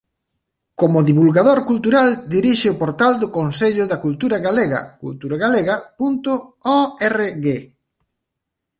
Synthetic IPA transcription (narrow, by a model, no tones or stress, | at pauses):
komʊðiβulɣaðoɾkult̪uɾald̪iɾiʃɪʊpoɾt̪ald̪ʊkonseʎʊðakult̪uɾɐɣaleɣɐ̰kṵlt̪uɾaɣaleɣɐpunt̪ʊɔɛreɣe